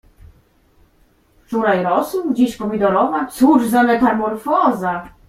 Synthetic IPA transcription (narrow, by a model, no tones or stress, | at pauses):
ft͡ʂuɾajɾɔsuwd͡ʑiɕpɔvʲid̪ɔɾɔvasuʐzamɛt̪aɾmɔɾfɔza